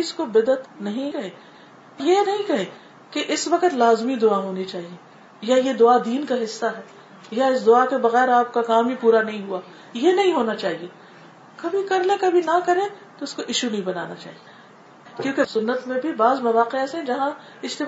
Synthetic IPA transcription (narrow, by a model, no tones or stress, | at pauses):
ɪskobɪd̪ət̪nɐɦĩkɐɦẽː | jenɐɦĩkɐɦẽː | keʔɪsʋɐqət̪laːzmid̪ʊaɦoːnit͡ʃaːɦie | jajed̪ʊad̪iːnkaɦɪsːaɦɛː | jaɪsd̪ʊakebɐɣɛːɾaːp̚kakaːmipuːɾanɐɦĩɦuaː | jenɐɦĩɦoːnat͡ʃaːɦie | kɐbʱikɐɾlẽkɐbʱinɐkɐɾẽ | t̪oɪskoʔɪʃunɐɦĩbɐna̰ːnat͡ʃa̰ːɦie | kjõːkesʊnːət̪mẽbʱibaːzmɐʋaːqɪasẽd͡ʒɐɦã | ɪst̪ɪ